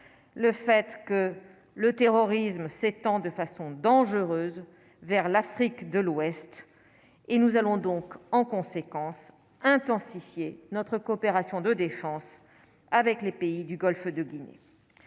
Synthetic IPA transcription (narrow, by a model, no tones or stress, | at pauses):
ləfɛt̪kə | lət̪eʁɔʁismset̪ɑ̃d̪əfasɔ̃d̪ɑ̃ʒəʁøːz | vɛʁlafχikd̪əlwɛst̪ | enuzalɔ̃d̪ɔ̃kɑ̃kɔ̃sekɑ̃s | ɛ̃t̪ɑ̃sifjenɔt̪χəkɔːpeʁasjɔ̃d̪əd̪efɑ̃s | avɛklepeid̪yɡɔlfd̪əɡʲinḛ